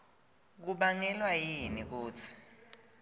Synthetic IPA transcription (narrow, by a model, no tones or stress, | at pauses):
k̬uɓaŋɛlwajinik̬uːt͡sʰi̥